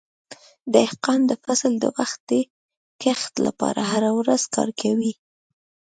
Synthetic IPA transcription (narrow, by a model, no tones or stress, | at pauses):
d̪əɪhqɑnd̪əfasld̪ə̰waxt̪̚ə | kext̪la̰pɑ̰ɾaɦaɾawɾaz̥kɑ̰ɾkʰawi